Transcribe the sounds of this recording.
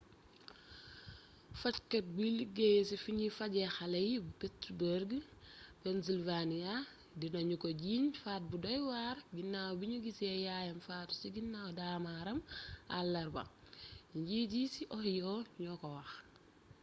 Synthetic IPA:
fɐckɐt̚biliɡejsifiɲifaɟɛxɐlɐjibupetubəɾɡəpɛns̬ilvanija | dinoɲukoɟiːɲfaːt̚budɔjwaɾɡinːawbiɲuɡisijaːjɐmfaːtu̥siɡinːawdaːmaɾɐma̰lːɐɾbɐ̰ŋ | ɲɟiɟisiʔɔhijoɲɔkowax

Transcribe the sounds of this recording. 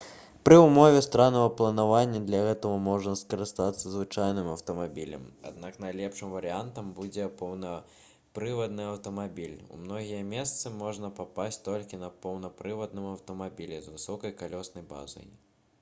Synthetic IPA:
pɾɨumɔvʲɛst̪ɾanɐvɐplˠɐnavanʲːɐd̪lʲɐɣɛt̪ɐɣɐmɔʐnɐskɐɾɨst̪at̪sːɐzvɨt͡ʂajnɨmɐwt̪ɐmabʲilʲɐ̰ma̰d̪̚nakn̪ajlʲɛpʂɨmvɐɾɨant̪ɐmbud͡zʲɛpɐwnɐ | pɾɨvɐd̪̚nɨɐwt̪ɐmabʲilʲṵmnɔɣʲijɐmʲɛst̪sɨmɔʐnɐpapasʲt͡sʲt̪ɔlʲkʲinɐpɐwnɐpɾɨvɐd̪nɨmɐwt̪ɐmabʲilʲɛzvɨsɔkɐjkalʲɔsnɐjba̰zɐ̰j

